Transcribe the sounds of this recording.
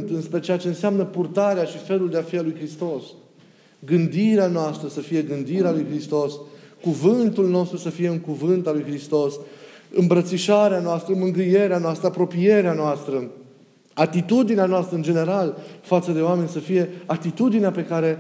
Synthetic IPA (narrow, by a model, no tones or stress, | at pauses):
t̪ɨnspɾe̞t͡ʃeat͡ʃe̞ɨnseamnəpurt̪aɾeaʃife̞luld̪eafialujkɾist̪o̞s | ɡɨnd̪iɾeanoast̪ɾəsəfije̞ɡɨnd̪iɾealujkɾist̪o̞skuvɨnt̪ulno̞st̪ɾusəfije̞ɨŋkuvɨnt̪alujxɾist̪o̞sɨmbɾət̪siʃaɾeanoast̪ɾəmɨŋɡɾɨje̞ɾeanoast̪ɾəapɾo̞pije̞ɾeanoast̪ɾə | at̪it̪ud̪ineanoast̪ɾəɨnd͡ʒe̞ne̞ɾalfat̪səd̪e̞oame̞nʲsəfije̞at̪it̪ud̪ineape̞kaɾe̞